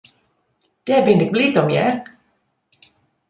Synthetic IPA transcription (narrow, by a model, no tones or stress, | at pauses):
d̥ɛːbɪndɪk̚litɔmjɛ̰r